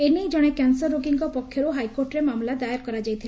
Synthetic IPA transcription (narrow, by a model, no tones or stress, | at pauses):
enid͡ʒɔɽ̃ekansɔɾːoɡiŋkɔpɔkʰjɔɾoɦajkoɾʈɾemamlad̪ajɾkɔɾad͡ʒajt̪ʰil